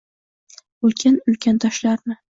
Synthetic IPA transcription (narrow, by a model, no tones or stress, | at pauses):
ʊlkʲʰanʊlkʲʰant̪ʰɒʃlaɾnɪ